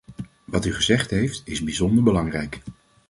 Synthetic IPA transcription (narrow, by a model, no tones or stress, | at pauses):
ʋɑtyχəzɛχtɦejftɪzbizɔndəɹbəlɑŋrɛjk